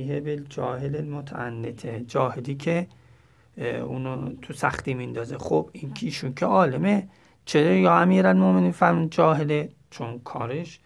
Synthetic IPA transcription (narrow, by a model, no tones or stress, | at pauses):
hebeld͡ʒɒ̰ːhelelmot̪ʰæ̰ʔænːet̪ʰed͡ʒɒːheliːkʰe | uːnot̪ʰusæ̰xt̪iːmind̪ɒːzexob̥inkʰiːʃunkʰeɒːleme | t͡ʃʰeɾjɒːæmiːɾælmomeniːnfæɾmuːd̪̚d͡ʒɒːɦele | t͡ʃʰonkʰɒːɾeʃ